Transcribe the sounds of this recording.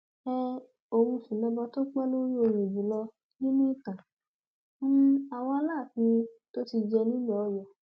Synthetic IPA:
ɛ˧ | o˨ɾũ˧fĩ˨nɔ̃˧bɔ˧to˦k͡pɛ˦lo˦ɾi˦o˧ɾe˨d͡ʒĩ˨˦lɔ˧ | nĩ˦nũ˦i˦˨tã˨ | mũ˦a˨w̃ɔ̃˧a˧˦laː˦˨kĩ˧˦to˦ti˧d͡ʒɛ˧nĩ˦lɔ˨˦jɔ˨

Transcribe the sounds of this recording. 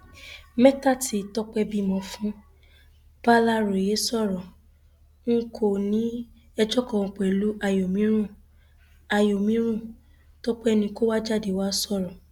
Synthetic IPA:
mɛ˦ta˦˨ti˨tɔ˦k͡pɛ˧bi˦mɔ̃˧fũ˦ | b̥a˦la˦ɾo˨je˨˦sɔ˦˨ɾɔ̃˨ | ŋ̩˦kʰo˨nĩ˨˦ | ɛ˧d͡ʒɔ˦kɔ̃˨ɔ̃˨˧k͡pɛ˨lu˨˦a˧jo˨mĩ˨˦ɾ̃ũ˦˨ | a˧jo˨mĩ˨˦ɾ̃ũ˦˨ | tɔ˦k͡pɛ˦nĩ˧ko˦wa˦d͡ʒa˦˨de˨wa˦sɔ˦˨ɾɔ̃˨

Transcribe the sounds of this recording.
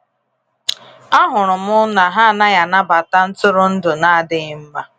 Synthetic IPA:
a˦ɦʊ˨ɾʊ˨m̩˦ʊ˦na˨ɦa˦˨na˦ja˨na˦ba˨ta˦n̩˦tʊ˦ɾʊ˦n̩˦dʊ˨na˦a˦˨dɪ˦m̩˦ma˦

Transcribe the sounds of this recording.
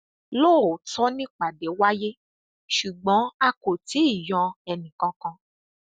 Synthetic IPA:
loː˦˨o˨tɔ˦nĩ˦k͡pa˨de˨˦wa˦je˦ | ʃu˨ɡ͡bɔ̃˨˦a˧ko˨ti˨˦i˦˨jɔ̃˧ɛ˧nĩ˨kã˧kã˧

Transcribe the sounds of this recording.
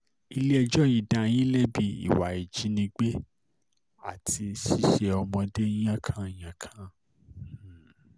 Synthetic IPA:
i˧le˦ɛ˧d͡ʒɔ˦jĩ˨da˨˧j̃ĩ˦lɛ˦bi˧˦ḭ˦˨wa˨i˨d͡ʒi˨˦nĩ˧ɡ͡be˦ | a˦˨tʰi˧ʃi˦ʃe˧ɔ˧mɔ̃˧de˦j̃ã˦kʰã˦˨j̃ã˨kʰã˦

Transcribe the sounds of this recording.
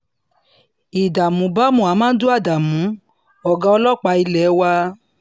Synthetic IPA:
i˨da˨mũ˨˦ba˦mũ˨a˨˦mãː˦do˦a˦˨da˨mũ˨˦ | ɔ˨ɡã˧ɔ˧lɔ˦k͡pa˧i˧lɛ˨˦wa˧

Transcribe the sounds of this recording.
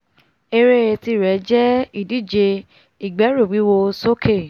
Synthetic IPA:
e˧ɾe˦˧ɾe˧ti˧˨ɾɛ˨˦d͡ʒɛ˦i˦˨di˦˨d͡ʒe˧ | i˦˨ɡ͡bɛ˨˦ɾu˦˨wi˨˦wo˧so˦kʰe˦˨

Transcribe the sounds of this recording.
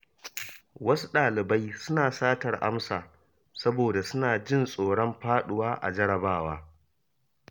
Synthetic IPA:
wɐ˦su˦ɗaː˨lɪ˨ba˦jsʊ˦naː˨saː˦tɐ˨rʔa̰˦msaː˨ | sɐ˦boː˨da˨sʊ˦naː˨d͡ʒɪ˦˨nsʼoː˨ɽɔ˦mɸaː˦ɗʊ˨waː˦ʔa̰˨d͡ʒɐ˦ɽɐ˨baː˦˨waː˦

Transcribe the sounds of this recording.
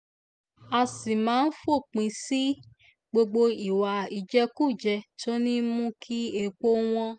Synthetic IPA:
a˧si˨mãː˨˦n̩˦fo˦˨k͡pĩ˧si˦ | ɡ͡bo˧ɡ͡bo˧i˨wa˨i˨d͡ʒɛ˧ku˦˨d͡ʒɛ˧to˦nĩ˦mũ˦kʰi˦e˦˧k͡po˦w̃ɔ̃˧

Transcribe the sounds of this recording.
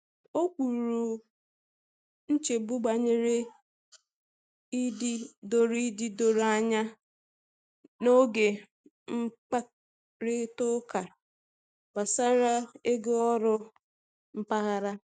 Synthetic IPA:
o˦kʷu˨ɾu˨ | n̩˦t͡ʃe˨bu˦ɡ͡ba˨ɲe˦ɾe˦ | i˦di˦do˨ɾi˦di˦do˨ɾa˦ɲa˦ | no˦ɡe˨ | ŋ͡m̩˦k͡pa˦ | ɾɪ˦tʊ˦ka˨ | ba˨sa˦ɾa˦e˦ɡe˦ɔ˦ɾʊ˦ | m̩˦pa˦ɣa˦ɾa˦

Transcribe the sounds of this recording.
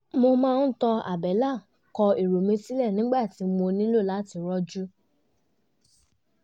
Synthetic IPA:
mo˧mãː˦˧n̩˦tɔ˧a̰˨bɛ˨˦la˦˨ | kɔ˧i˨ɾo˨mĩ˧˦si˦lɛ˦˨nĩ˨˦ɡ͡ba˦˨ti˨˧˦mo˧nĩ˦lo˦˨la˨˦ti˧ɾɔ˧d͡ʒu˦

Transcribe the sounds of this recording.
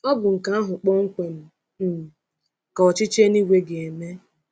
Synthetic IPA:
ɔ˦ɡʊ˨ŋ̩˨ka˦a˦ɦʊ˨k͡pɔ˦ŋ̩˦kʷe˨m̩˨ | ka˨ɔ˨t͡ʃɪ˦t͡ʃe˦ni˦wʷe˦ɡe˨e˨me˦

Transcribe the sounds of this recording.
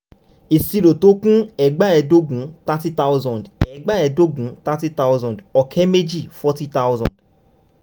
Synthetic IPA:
i˨si˧ɾo˨to˧˦kũ˦ɛ˨ɡ͡ba˦ɛ˧do˦ɡũ˨˦ta˦ti˦ta˦wzɔ̃˨dɛ˨ɡ͡ba˦ɛ˧do˦ɡũ˨˦ta˦ti˦ta˦wzɔ̃˨dɔ˨kʰɛ˦me˦d͡ʒi˦˨fɔ˦ti˦ta˦wzɔ̰̃˨d̥

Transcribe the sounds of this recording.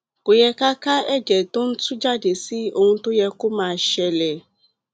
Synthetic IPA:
ko˨jɛ˦ka˦ka˦ɛ˦d͡ʒɛ˨to˦n̩˦tu˦d͡ʒa˦de˨si˦o˦ŋũ˧˦tʊ˦jɛ˧kʊ˦mãː˦˨ʃɛ˧lɛ˨

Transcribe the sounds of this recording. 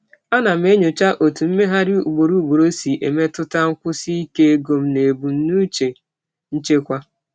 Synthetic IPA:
a˦na˨m̩˦e˦ɲo˨t͡ʃa˦ʔo˨tu˨m̩˦me˦ɦa˦ɾi˦u˨ɡ͡bo˨ɾu˦ɡ͡bo˨ɾo˦si˨ʔe˨me˦tʊ˦ta˦ŋ̩˦kʷʊ˦si˦i˦ke˦e˦ɡo˨m̩˦ne˨bu˨n̩˦nu˦t͡ʃe˨ | n̩˦t͡ʃe˦kʷa˦

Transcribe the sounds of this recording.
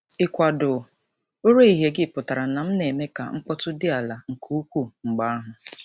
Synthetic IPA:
ɪ˨kʷa˨dʊ˨ | o˦ɾe˦i˨ɦe˨ɡɪ˦˨pʊ˨ta˨ɾa˨na˨m̩˦ne˨me˦ka̰˨ŋ͡m̩˦k͡pɔ˦tʊ˦dɪ˦a˨la˨ŋ̩˨kʰu˦u˦kʷu˦˨ŋ͡m̩˨ɡ͡ba˦a˦ɦʊ˨

